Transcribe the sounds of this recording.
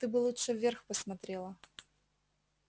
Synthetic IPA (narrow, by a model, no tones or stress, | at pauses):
t̪ɨbɨlˠutʂɨvʲerxpəsmɐt̪ɾʲelˠə